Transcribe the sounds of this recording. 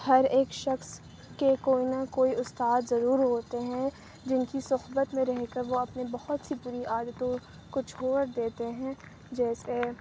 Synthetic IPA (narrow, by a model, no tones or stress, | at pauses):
hɐɾeːkʃɐxs | kekoːinakoːiʊst̪aːd̪zɐɾuːɾɦoːt̪eɦɛ̃ | d͡ʒɪnkisʊɦbət̪mẽɾɛɦkɐɾʋoɐpnebɐhʊt̪sipuːɾiʔaːd̪ət̪õ | kot͡ʃʰoːɾd̪eːt̪eɦɛ̃ | d͡ʒɛːse